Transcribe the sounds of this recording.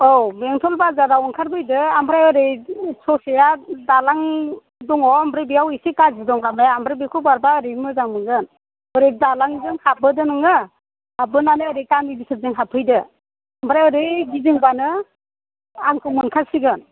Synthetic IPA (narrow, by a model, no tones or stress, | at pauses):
ɔwbeŋtʰɔlbazaɾawɔnkʰaɾbɯjdɯambʰɾajɯɾɯjsʰɔsejadalaŋ | dɔŋɔambɾɯbiawisekazidɔŋlamajaːmbɾebikʰɯbaɾbaɯɾemɯzaŋmɯɡɯn | ɯɾedalaŋdɯŋhabɯdɯnɯŋɯ | habɯnanɯːɾekamibisɯzɯŋɦapʰɯjdɯ | ambʰɾajɯɾɯjɡizɯŋbanɯ | aŋkʰɯmunkʰasiɡɯn